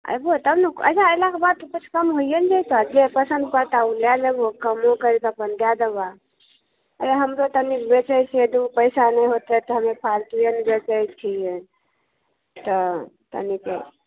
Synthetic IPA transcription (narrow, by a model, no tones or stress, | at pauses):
ə̰jbot̪əbnukə̰d͡ʒaəlakebad̪̚t̪okut͡ʃʰkəmɦoijənd͡ʒajt̪ɔad͡ʒepəsə̃nd̪̚pəɾt̪auljalebokəmõkəɾik̪apənd̪jad̪eba | əjaɦəmɾot̪ənikbet͡ʃəjt͡ʃʰied̪upəjsanəjɦot̪ɛt̪ɔɦəmepʰalt̪ujənbet͡ʃəjt͡ʃʰije | t̪ɔt̪ə̰nikḛ